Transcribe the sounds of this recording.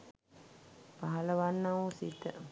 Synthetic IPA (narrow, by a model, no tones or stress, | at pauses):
paɦɐləʋanːaʋusit̪ə